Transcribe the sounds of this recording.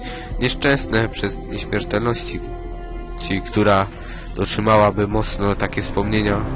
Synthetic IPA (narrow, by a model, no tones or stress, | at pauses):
ɲɛʂt͡ʂɛ̃w̃snɛpʂɛzɲeɕmʲjɛɾt̪ɛlnɔɕt͡ɕi | t͡ɕikt̪uɾa | d̪̥ɔtʂɘmawabɘmɔt̪snɔt̪akʲɛfspɔmɲeɲa